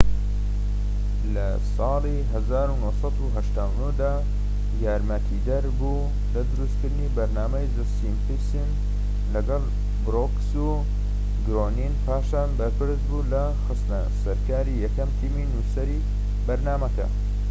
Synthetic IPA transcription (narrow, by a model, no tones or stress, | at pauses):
lɐ | sɑːlˠiɦɐzaːɾunohsɑd̪uɦɐʃt̪aːwnud̪aː | jaːɾmɐt̪ʰid̪ɐɾbu | lɐd̪ɨɾust̪kɨɾd̪ɨnibɐɾnaːmɐjzɨsimpisim | lɐɡɑlˠ | bɾoksu | ɡɾoːninpʰaːʃaːnbɐɾpɨɾsbulɐ | xɨst̪nɐ | sɐɾkaːɾijɛkɐmt̪ʰiːminusɐɾi | bɐɾnaːmɐkɐ̰